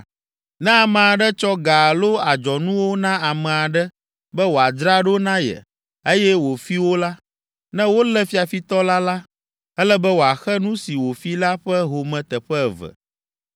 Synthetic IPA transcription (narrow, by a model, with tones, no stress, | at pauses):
nɛ̃˦a˨mɛ̃˨a˨ɖɛ˦t͡ʃɔ˦ɡa˨lo˦a˨d͡ʒɔ˨nũ˦wo˦nã˦a˨mɛ̃˨a˨ɖɛ˦ | bɛ˦wo˨a˨d̪ɾa˦ɖo˦nã˦jɛ̰˨ | e˦jɛ˦wo˨fi˦wo˦la˦ | nɛ̃˦wo˦lɛ˦fi˦a˨fi˦t̪ɔ˦la˦la˦ | ɛ˦lɛ˦bɛ˦wo˨a˨xɛ˦nũ˦si˨wo˨fi˦la˦ɸɛ˦ɦo˨mɛ̃˨t̪ɛ˨ɸɛ˦˨vɛ̰˨